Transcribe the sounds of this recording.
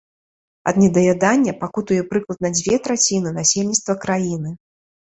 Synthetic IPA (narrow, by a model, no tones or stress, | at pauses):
ɐ̰d̪nʲɛd̪ɐvʲad̪anʲːɐpakut̪ujɛpɾɨklˠɐt̪̚nɐd͡zʲvʲɛt̪ɾat͡sʲinɨnasʲelʲnʲit̪st̪vɐkɾajinɨ